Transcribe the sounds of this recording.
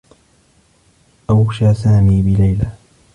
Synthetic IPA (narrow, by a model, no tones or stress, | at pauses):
ʔawʃaːsaːmiːbɪlajla